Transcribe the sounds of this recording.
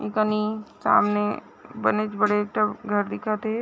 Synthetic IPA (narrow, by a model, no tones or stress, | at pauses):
ikənisa̰ːmne | bənet͡ʃbəɽekʈəɡʱɐɾd̪ɪkʰat̪e